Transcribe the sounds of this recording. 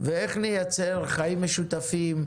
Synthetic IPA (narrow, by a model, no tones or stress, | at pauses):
veeχnijat͡seɾχajimːeʃut̪afim